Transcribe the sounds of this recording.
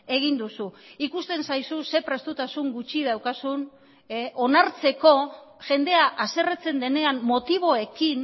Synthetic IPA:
e̞ɣ̞ind̪usuikust̪e̞nsajsuse̞pɾe̞st̪ut̪asuŋɡut͡ʃiðawkasun | ʔo̞naɾt͡se̞ko̞ʝe̞nd̪e̞aʔase̞ret͡se̞nd̪e̞ne̞ammo̞t̪iβ̞o̞ekin

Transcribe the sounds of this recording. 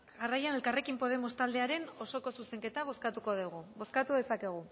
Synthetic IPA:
ɣarajane̞lkare̞kimpo̞ð̞e̞mo̞st̪ald̪e̞aɾe̞no̞so̞ko̞suse̞ŋke̞t̪aβ̞o̞skat̪uko̞ðuɣ̞uβo̞skat̪uðe̞sake̞ɣ̞u

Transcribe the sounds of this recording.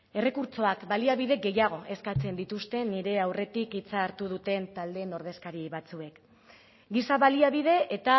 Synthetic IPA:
e̞re̞kuɾt͡so̞akbaliaβ̞iðe̞ɡe̞jaɣ̞o̞ʔe̞skat͡se̞nd̪it̪ust̪e̞niɾe̞awre̞t̪ikit͡saːɾt̪uð̞ut̪e̞nt̪ald̪eno̞ɾð̞e̞skaɾiβat͡sue̞k | ɡisaβaliaβið̞e̞ʔet̪a

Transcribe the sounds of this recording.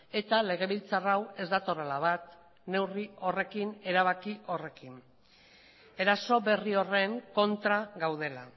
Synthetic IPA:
e̞t̪ale̞ɣ̞e̞βilt͡sarawe̞zd̪at̪o̞ɾalaβat̪ | ne̞wrio̞re̞kine̞ɾaβ̞akiʔo̞re̞kin | e̞ɾaso̞βe̞rio̞re̞ŋko̞nt̪ɾaɣawðe̞la

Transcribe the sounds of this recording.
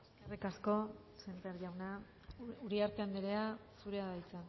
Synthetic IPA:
erikasko̞ | sent̪eaɾʝawna | uɾiaɾt̪eand̪eɾeasuɾe̞aðajt͡san

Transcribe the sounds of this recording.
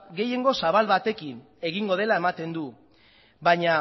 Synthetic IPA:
ɡe̞je̞ŋɡo̞saβalβat̪e̞kin | e̞ɣiŋɡo̞ð̞e̞lae̞mat̪e̞nd̪u | baɲa

